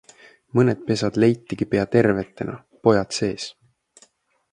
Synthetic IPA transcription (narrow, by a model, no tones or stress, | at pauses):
mɤned̪̥̚pe̞sɑd̪̥le̞jt̪ːiɡ̥ipe̞ɑt̪e̞rve̞t̪ːˑe̞nɑ̰ | po̞jɑt̪se̞ːs